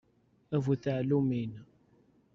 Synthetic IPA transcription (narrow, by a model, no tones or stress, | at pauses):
ævuθəʕlumin